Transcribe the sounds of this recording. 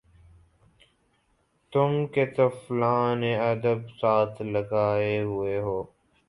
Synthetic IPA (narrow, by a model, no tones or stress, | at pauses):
t̪ʊmket̪ɐflaːneəd̪əbsaːt̪ʰləɡaːeɦʊeɦoː